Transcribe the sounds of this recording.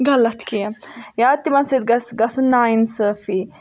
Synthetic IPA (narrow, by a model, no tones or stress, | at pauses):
ɡɐlɐt̪kijɐjaːt̪ːimɐnsɐt̪̚ɡɐsɡɐsunaːjnsəːfi